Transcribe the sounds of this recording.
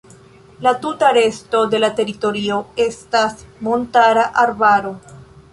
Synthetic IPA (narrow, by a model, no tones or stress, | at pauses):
latutaɾe̞sto̞de̞late̞ɾito̞ɾio̞e̞stasmo̞ntaɾaʔaɾbaɾo̞